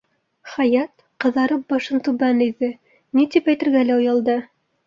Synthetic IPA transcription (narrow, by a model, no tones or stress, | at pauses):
χæjɑt̪ | qɤ̆ðɑɾɤp̚bɑʃɤnt̪ʉβænĭðɘ | nit̪ipæjt̪ɘ̆ɾɡælæujɑlˠd̪ɤ